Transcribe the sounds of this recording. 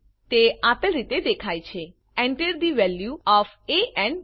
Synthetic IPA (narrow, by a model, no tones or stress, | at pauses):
t̪eat̪əlɾit̪ed̪ekʰajt͡ʃʰe | ɛ̃ɳʈəɾd̪iʋɛljuɔf | eʔɛ̃ɳ